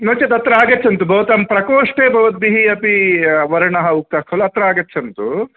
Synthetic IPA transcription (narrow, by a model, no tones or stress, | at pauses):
noːt͡ʃɐt̪ɐt̪ɾɐaːɡɐt͡ʃʰːɐnt̪ubʱɐʋɐt̪ɐmpɾɐkoːʂʈeːbʱɐʋɐt̪̚biɦiɐpiʋɐɾɐɳɐɦɐukːaːkʰɐlːuɐt̪ɾɐaːɡɐt͡ʃːʰɐnt̪u